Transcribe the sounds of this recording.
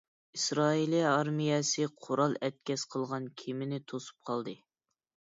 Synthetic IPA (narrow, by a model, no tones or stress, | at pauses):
isɾɑːiliɑɾmijɛsɨqʰoɾɑlˠɛt̪̚kʲɛsqʰəlˠʁɑnkʲʰimɪnɪt̪ʰosu̥p̚qʰɑlˠd̪ɨ